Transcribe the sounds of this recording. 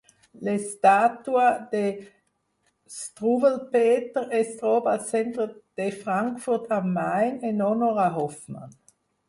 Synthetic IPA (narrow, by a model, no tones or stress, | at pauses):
lestaːtuad̥e | stʁubəlpeːtəʁɛstʁoːbasɛntʁəd̥efʁaŋkfʊʁtʰamaɪnenonoʁaɦɔfma̰n